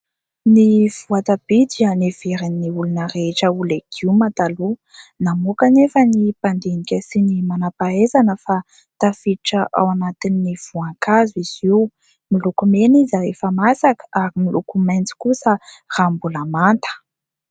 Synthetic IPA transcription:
niv̥uat̪ab̥id̪ianeveɾinnːiulunəreʈ͡ʂəulekʰiumat̪alunamukanefənipand̪enikʲəsinimanapaezanəfa | t̪afiʈ͡ʂəʔa̰wanat̪inːiv̥uaŋkaziz̥iw | milukumenizaɾefəmasakə̥ʔaɾimilukumajnt͡si̥kusərambulamant̪ə̥

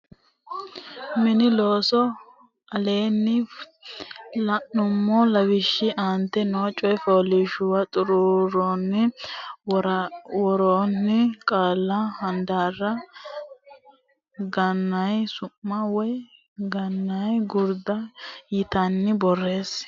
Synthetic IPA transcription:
mɪnɪloːsɔ | ɐle̞ːnːɪ | lɐnːʊmːɔlɐwɪʃːɪʔaːnt̪ːɛnoːt͡ʃʼːɔjfoːlɪʃʊwɐt̪ʼʊɾʊɾɔnːɪ | wɔɾoːnːɪkʼaːlːɐhɐnd̪aːrːɐ | ɡɐnːɐjsʊmːɐwɔj | ɡɐnːɐjɡʊɾd̪ɐjɪt̪ɐnːɪbɔrːe̞ːs

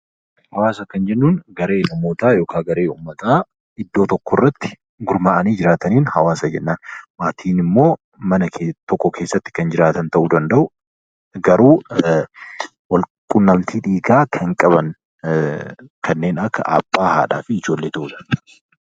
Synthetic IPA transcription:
hɐwaːsɐkɐnd͡ʒɛnːuːnɡɐɾe̞ːnɐmo̞ːt̪aːjo̞ːkʰaːɡɐɾe̞ːuːmːɐt̪aː | ɪd̪ːoːt̪ɔkːɔrːɐt̪ːɪ̥ | ɡʊɾmaːʔɐniːd͡ʒɪɾaːt̪ɐniːnhɐwaːsɐd͡ʒɛnːaːnmaːt̪ʰiːnɪmːo̞ː | mɐnɐkːt̪ɔkːɔkʰe̞ːsːɐt̪ːɪ̥kɐnd͡ʒɪɾaːt̪ɐnt̪ɐʔuːd̪ɐnd̪ɐʔʊ | ɡɐɾuː | wɐlkʼʊnːɐmt̪iːᶑiːɡaːkʰɐŋkʼɐbɐŋ | kʰɐnːe̞ːnɐkːɐ̰ʔɐ̰pʼːaːha̰ːᶑa̰ːfɪɪd͡ʒo̞ːlːeːt̪ɐʔuᶑɐn

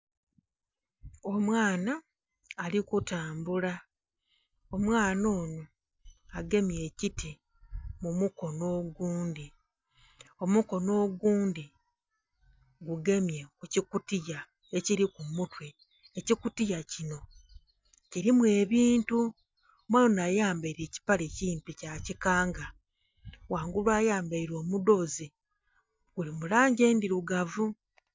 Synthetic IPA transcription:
o̞mwaːnaː | likutaːmbula | o̞mwaːno̞ːno | aɡe̞mje̞ːciti | mumuko̞no̞ːɡuːndi | o̞muko̞no̞ːɡuːndi | ɡuɡe̞mjekucikutija | eciɾikumutwe̞ | ecikutijacino̞ | ciɾimwe̞ːβiːntu | mwaːlonajaːmbaiɾe̞ːci̥pale̞cimpicacikaːŋɡa | waːŋɡulwaːjaːmbaiɾo̞ːmudo̞ːzi | ɡ̥ulimulaːɲɟe̞ːndiɾuɡavu

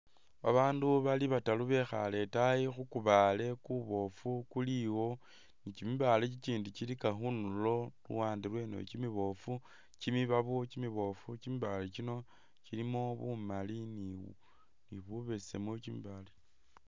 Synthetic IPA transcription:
βa̰βaːnduβaliβataluβe̞xa̰le̞tajixukuβale̞kuβo̞fukuliwo̞ | nit͡ʃimiβalet͡ʃit͡ʃiːndit͡ʃilikaxunulo̞lṵwaːndirwe̞no̰t͡ʃimiβo̞fu | t͡ʃimiβaβut͡ʃimiβo̞fut͡ʃimiβalet͡ʃino̞ | t͡ʃilimo̞βumalini | niβuβesḛmocimḭβale

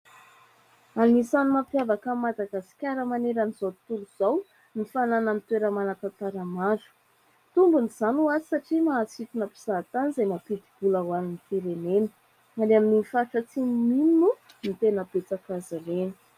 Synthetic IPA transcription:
anisanumapjavakəmːad̪aɡasi̥kʲaɾəmaneɾanizot̪uluz̥aw | nifanananit̪weɾəmanat̪at̪aɾamaɾu̥ | t̪umbuniz̥anuazisaʈ͡ʂimaat͡sit̪unəpi̥z̥at̪anizajmapid̪ib̥ulawaninifiɾenenə̥ | aleamininifaɾʈ͡ʂət͡sinminnu | nit̪enəbet͡sakazaɾenə̥

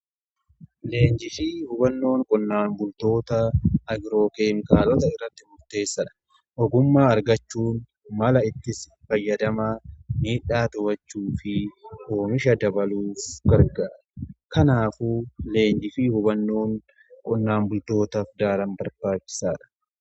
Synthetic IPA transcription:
le̞ːnd͡ʒɪfiːhʊbɐnːo̞ːŋkʼɔnːaːmbʊlt̪o̞ːt̪ɐːɡɪɾo̞ːkeːŋkaːlɔt̪ɐɪrːɐt̪ːɪmʊɾt̪e̞ːsːɐᶑɐ̥ | ʔɔɡʊmːaːɐɾɡɐt͡ʃːuːn | mɐlɐɪt̪ːɪs | fɐjːɐd̪ɐmaːniːᶑaːt̪ʊbɐt͡ʃːuːfɪho̞ːmɪʃɐd̪ɐbɐluːfɡɐɾɡaːᶑɐkɐnaːfuːle̞ːɲd͡ʒɪfiːhʊbɐnːo̞ːŋ | kʼɔnːaːmbʊlt̪o̞ːt̪ɐfd̪aːɾɐmbɐɾb̥aːt͡ʃːɪ̥saːᶑɐ̥

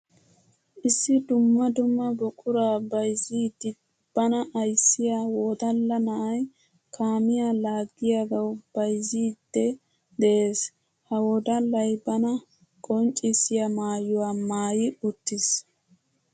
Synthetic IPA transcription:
ʔɪsːɪd̪ʊmːɐd̪ʊmːɐbɔkʼʊɾaːbɐjziːd̪ːɪ | b̥ɐnɐʔɐjsːɪjawɔd̪ɐlːɐnɐʔɐj | kʰaːmɪjalaːɡːɪjaɡɐwb̥ɐjziːd̪̥ːɛ | d̪ɛʔeːs | hɐwɔd̪ɐlːɐjbɐnɐ | kʼɔnt͡ʃʼːɪsɪjɐmaːjʊwaːmaːjɪʊt̪ːɪs

